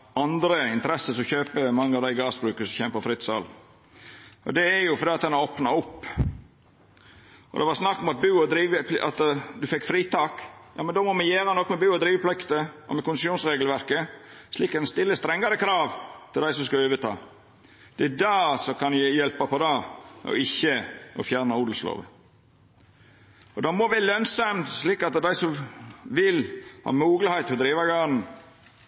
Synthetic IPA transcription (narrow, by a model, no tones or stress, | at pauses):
ɑnd̪ɾəɪnt̪əɾɛsːəsɔmçøːpəmɑŋːəɑʋd̪æɪɡɑːsbɾʉːkəsɔçɛmpəfɾɪt̪ːsɑ̰l | ɔ̰d̪ɛːjʊfɔɾdiːɑt̪̚d̪ɛnɑɾɔːpnɑʊpː | ʔɔ̰d̪ɛʋɑɾsnɑkːɔmɑt̪̚bʉːɔd̪ɾiːʋəplʔɑ̰t̪d̪ʉfɛkːfɾiːt̪ɑːkjɑ̰ːmɛnd̪oːmɔmɛjæːɾɑnɔkːmɛbʉːɔd̪ɾiːʋəpʰlɪkt̪əʔɔmɛkʊnɪsjuːnsɾeːɡlʋæɾkəsliːkæɪnst̪ɪlːəst̪ɾɛŋɡɑɾəkʰɾɑːʋt̪ʰɪld̪æɪsɔmskɑøːʋət̪ʰɑ̰ː | d̪̥ɛæd̪ɑsɔkʰɑnjæjɛlpɑpʰɔd̪ɑʔɔ̰ɪçːəʔɔ̰fjæːɾnɑuːd̪l̩slo̰ːʋə̰ | ɔd̪ɑmɔʋælœnsɑmt̪sliːkɑt̪d̪æɪsɔmʋɪlhɑ̰ːmuːɡlɪhɛɪt̪ːʰɔd̪ɾiːʋɑɡɑːɾn̩